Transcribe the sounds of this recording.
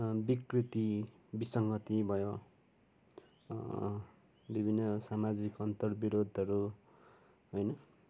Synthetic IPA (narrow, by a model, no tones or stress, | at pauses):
bikrit̪i | bisʌŋɡʌt̪ibʱʌjo | bibʱinːʌsamad͡zikʌnt̪ʌrbiɾod̪ʱʌɾu | ɦojnʌ